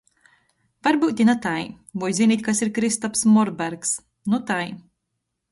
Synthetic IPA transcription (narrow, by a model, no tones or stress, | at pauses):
vaɾbuːt̪ʲinat̪aj | bujzʲinʲiːt̪̚ʲkasiɾkɾist̪ɔpsmɔɾbæɾks | nut̪aj